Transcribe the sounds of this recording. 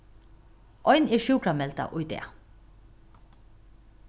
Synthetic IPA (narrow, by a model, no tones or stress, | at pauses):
ʔɔʏneːʃʉːkʰɾamɛlt̪a̰ʔʊʏd̪ḛː